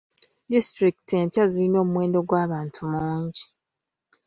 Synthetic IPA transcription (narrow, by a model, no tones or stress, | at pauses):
distɾikte̞mpjazilino̞ːmumwe̞ːndo̞ɡwaːβaːntʰumuːɲɟi